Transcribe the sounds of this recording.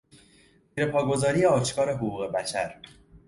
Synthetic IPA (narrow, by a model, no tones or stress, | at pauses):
ziːɾe̞pʰɒːɡo̞zɒːɾije̞ɒːʃkʰɒːɾe̞ɦoɡuːɣe̞bæʃæɾ